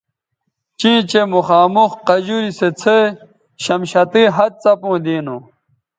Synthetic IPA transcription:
t͡ɕĩːt͡ɕemuxaːmuxqɐʑuɾiset͡sʰe | ɕɐmɕɐt̪iːɦɐd̪̚t͡sɐpũːd̪iːnõ

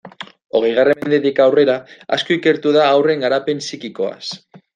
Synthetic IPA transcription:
o̞ɣ̞ejɣ̞aremend̪et̪ikawre̞ɾaa̰skoike̞ɾt̪uðaːwre̞ŋɡaɾape̞nsikiko̞a̰s

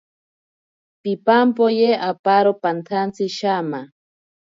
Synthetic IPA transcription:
pipampojeʔapaɾopant̪ʰant͡siʃama

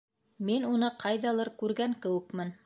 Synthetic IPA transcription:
minunɤqʰɑjðɑlˠɤɾkʉɾɡæŋkɘ̆wɘ̆kmɘn

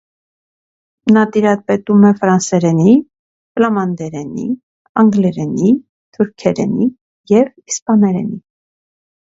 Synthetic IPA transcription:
nɑt̪iɾɑt̪̚pɛt̪umɛfɾɑnsɛɾɛni | plɑmɑnd̪ɛɾɛnḭ | ɑŋɡlɛɾɛni | t̪ʰuɾkʰɛɾɛ̰ni | jɛvispɑnɛɾɛ̰ni

